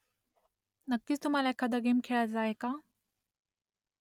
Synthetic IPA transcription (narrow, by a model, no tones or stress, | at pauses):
nəkːiːt͡st̪um̤alaekʰad̪əɡemkʰeɭad͡zaɦeka